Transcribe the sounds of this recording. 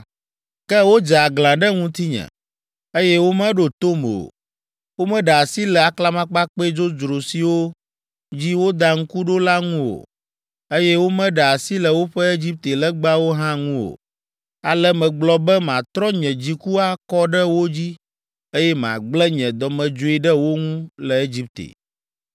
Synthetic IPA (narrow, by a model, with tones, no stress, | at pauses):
kɛ˦wo˦d͡ʒa˨ɡlã˨ɖə˦ŋũ˦t̪i˦ɲɛ̰̃˨ | e˦jɛ˦wo˦mɛ̃˦ɖo˨t̪o˦m˨o̰˨ | wo˦mɛ̃˦ɖa˨si˦lɛ˨a˨kla˦mã˦k͡pa˦k͡pe˦d͡ʒo˦d͡ʒɾo˨si˨wo˦ | d͡ʑi˦wo˦d̪a˨ŋ̩˦ku˦ɖo˦la˦ŋũ˦wo̰˨ | e˦jɛ˦wo˦mɛ̃˦ɖa˨a˨si˦lə˨wo˦ɸɛ˦e˦d͡ʑi˦p̚t̪e˨lə˦ɡ͡ba˦wo˦ɦã˦ŋũ˦o̰˨ | a˨lɛ˦mɛ̃˨ɡ͡blɔ˦bɛ˦mã˨t̪ɾɔ˦ɲɛ̃˨d͡ʑi˦ku˦a˦kɔ˦ɖə˦wo˦d͡ʑi˦ | e˦jɛ˦m˨ã̰˨ɡ͡blɛ˦ɲɛ̃˨d̪ɔ˨mɛ̃˨d͡ʒo˦i˦ɖə˦wo˦ŋũ˦lə˨e˦d͡ʑi˦p̚t̪ḛ˨